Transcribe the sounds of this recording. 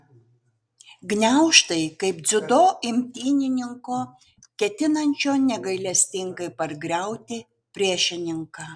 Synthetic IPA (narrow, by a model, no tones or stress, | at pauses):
ɡnʲæˑʊʃt̪ɐɪkɐɪp̚d̪zʲʊd̪oːɪmʲt̪ʲiːnʲɪnʲɪŋkoː | kʲɛt̪ʲɪnɐnʲt͡ʃʲoːnʲɛɡɐɪlʲɛsʲt̪ʲɪŋkɐɪpɐɾɡɾʲɛˑʊt̪ʲɪ | pʲɾʲiɛʃʲɪnʲɪŋkɑː